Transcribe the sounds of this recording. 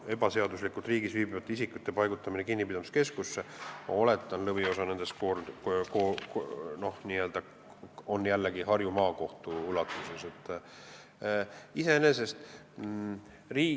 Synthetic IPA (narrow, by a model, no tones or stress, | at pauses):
e̞bɑse̞ɑd̪uslikːˑult̪riːɡisviːbivɑt̪ːˑeisikːˑut̪ːe̞pɑjɡ̥ut̪ːˑɑminekinːipid̪ɑmiske̞skusːe̞mɑ̰o̞le̞t̪ːˑɑnlɤvio̞sɑne̞nd̪̥eskoko | no̞hniːø̞ld̪ɑ | o̞nːjælːeɡiɦɑrjumɑːko̞ht̪uulɑt̪ːˑuse̞se̞t̪ːˑ | ise̞ene̞se̞st̪ | riː